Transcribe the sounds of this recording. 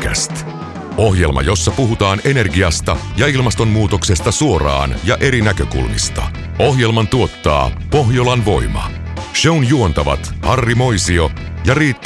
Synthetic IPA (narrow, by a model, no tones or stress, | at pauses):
kæ̰st̪ | oɦje̞lmɑ̰jo̞sːɑpuɦut̪ɑːne̞ne̞rɡiɑst̪ɑjɑilmɑst̪o̞mːuːt̪o̞kse̞st̪ɑsuo̞rɑ̰ːnjɑʔe̞ɾinækøkṵlmḭst̪ɑ̰ | o̞ɦje̞lmɑnt̪uo̞t̪ːɑ̰ː | po̞ɦjolɑnʋo̞̰imɑ̰ | ʃeunjuo̞nt̪ɑʋɑ̰t̪hɑrːimo̞jsio̞jɑriːt̪ː